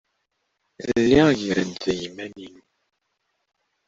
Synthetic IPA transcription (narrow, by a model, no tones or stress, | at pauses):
lːiʝiɾənzæjimːæninu